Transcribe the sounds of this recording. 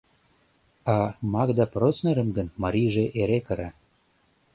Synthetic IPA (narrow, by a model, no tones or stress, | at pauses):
ɑmɑkd̪ɑprosneɾə̆mɡənmɑɾʲijʒeʔeɾekəɾɑ